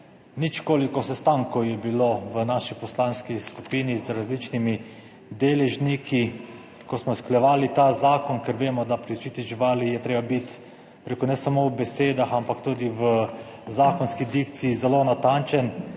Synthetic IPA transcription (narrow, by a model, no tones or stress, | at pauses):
nit͡ʃkoːlikɔsɛst̪aŋkɔwjɛbiloʋənaʃipɔslanskiskupiːnizɾazlit͡ʃnimi | d̪eːlɛʒniki | kɔsmɔsklɛʋaːlit̪azaːkɔnkɛɾʋeːmɔd̪apɾit͡ʃit̪iʒiʋaːlijɛt̪ɾeːbabit̪ | pɾekɔnɛsamowbɛseːd̪axampakt̪uːd̪iʋə | zaːkɔnskid̪ikt̪siːzɛlonat̪ant͡ʃɛn